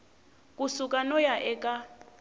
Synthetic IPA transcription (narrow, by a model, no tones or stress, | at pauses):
kʼusukʼanɔjaʔɛkʼa